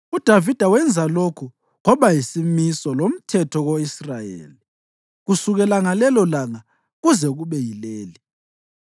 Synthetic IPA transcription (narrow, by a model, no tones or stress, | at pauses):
ud̥ʱavid̥ʱawɛnd͡zʱalokʰu | ɣɔβajisimisɔlom̩tʰɛtʰɔɣoisrajḛːli | ɣusuɣɛlaŋalɛlɔlaŋa | ɣuzɛɣuβɛjileːli